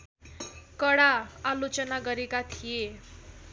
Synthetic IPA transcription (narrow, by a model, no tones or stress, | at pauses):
kʌɽaalot͡sʌnaɡʌɾekat̪ʰije